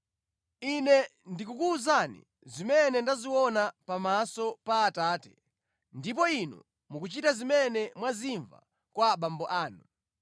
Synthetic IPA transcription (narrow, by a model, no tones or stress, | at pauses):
inɛndikukuːzanḭ | zimɛnɛndaziwɔnapamasɔpaːtaːtɛ̥ | ndip̬ɔinṵ | mukut͡ʃitazimɛnɛmwaziɱva̰ | kwaɓambɔʔaːnu